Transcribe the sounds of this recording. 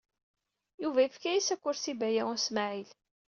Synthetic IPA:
juvæifkæjisækʷːʊɾsibæjææsmaʕil

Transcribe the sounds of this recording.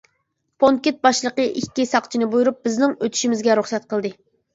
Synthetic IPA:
pʰoŋkʲet̪̚bɑʃlˠəqəʔikʲːisɑqt͡ʃʰinɨbujuɾup̚b̥ɪznɪŋøt̪ʰy̥ʃimɪzɡʲɛɾuχsɛt̪̚qəlˠd̪ɨ

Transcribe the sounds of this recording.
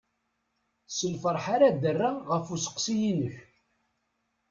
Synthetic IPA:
səlfəɾˤħaɾad̪ərːaʁəfusə̥qːsijinəç

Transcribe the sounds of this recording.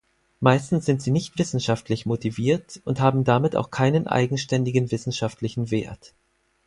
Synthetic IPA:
maɪstn̩sz̥ɪntz̥iːnɪçtv̥ɪsn̩ʃaftʰlɪçmotiviːɐtʊnthaːbm̩damɪta̰ʊxkʰaɪnənʔa̰ɪɡŋ̩ʃtɛndɪɡənvɪsn̩ʃaftʰlɪçn̩veːɐt

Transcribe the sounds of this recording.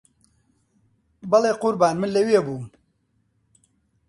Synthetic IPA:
bɐlˠeːqʊɾbaːnmɨnlɐwebuːm

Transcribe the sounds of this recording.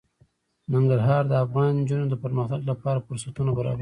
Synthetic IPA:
nɪŋɡaɾɦɑɾd̪əafɣɑnd͡ʒunod̪əpəɾməxt̪aɡlapɑɾafʊɾsat̪unabaɾɑ̰bai

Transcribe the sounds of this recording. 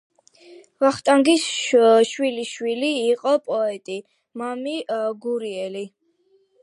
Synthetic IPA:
vaχt̪ʼaŋɡisʃwiliʃwiliːqʼɔpʼɔɛt̪ʼi | mamiɡuɾiɛli

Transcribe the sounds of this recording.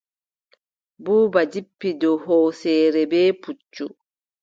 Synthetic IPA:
buːbad͡ʒipːidɔɦɔːsɛːɾɛbɛːput͡ʃːu

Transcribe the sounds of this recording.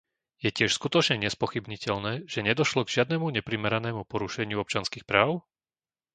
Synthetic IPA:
jɛcɪɛʃskut̪ɔt͡ʃɲɛɲɛspɔxibɲicɛʎnɛːʒ̥ɛɲɛd̪ɔʃlɔɡʒɪad̪nɛmuɲɛpɾimɛɾanɛːmupɔɾuʃɛɲɪuɔp̚t͡ʃɪanskixpɾaːʊ

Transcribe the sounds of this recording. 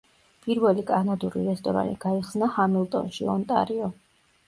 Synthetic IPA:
pʼiɾvɛlikʼanad̪uɾḭɾɛst̪ʼɔɾa̰nḭɡ̥aiχsnahamilˠt̪ʼɔ̰nʃiɔnt̪ʼa̰ɾiɔ

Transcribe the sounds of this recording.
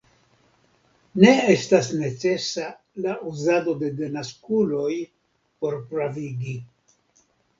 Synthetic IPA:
ne̞estasne̞t͡se̞sa | laʔuzado̞de̞denaskulo̞j | po̞ɾpɾaviɡi

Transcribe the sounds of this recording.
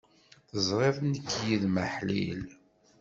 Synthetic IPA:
θəzˤɾˤeðˤnəkːjiðməħlḭl

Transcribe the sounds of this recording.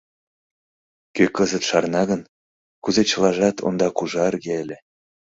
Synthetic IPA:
køkɤzət̪ʃɑrnɑɣən | kuzet͡ɕə̆lɑʒɑt̪ʰo̰nd̪ɑkuʒɑərɣeelʲĕ

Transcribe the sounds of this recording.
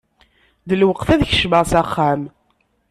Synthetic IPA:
ðəlwəqθæðçəʃməʁsæχːam

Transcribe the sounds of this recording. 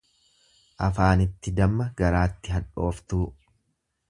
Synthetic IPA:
ʔɐfaːnɪt̪ːɪd̪ɐmːɐɡɐɾaːt̪ːɪɦɐᶑo̞ːft̪uː

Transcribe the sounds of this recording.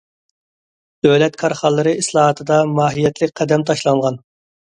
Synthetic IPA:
d̪̥øwlɛt̪kʰɑɾχɑlˠːɨɾɨislˠɑːɦɑt̪ʰɨd̪ɑmɑːɦijɛt̪ʰlɪk̚ʲqʰɛd̪ɛmt̪ʰɑʃlˠɑŋʁɑn

